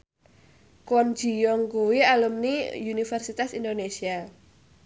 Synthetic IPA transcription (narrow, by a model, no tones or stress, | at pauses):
kɔnd̥d͡ʒ̥i̤jɔŋkuwialumniunifɛrsit̪asindonesia